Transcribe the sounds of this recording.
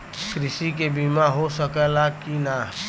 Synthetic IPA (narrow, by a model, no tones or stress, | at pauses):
kɾɪʃik̬ebimãɦosəkəlakinaː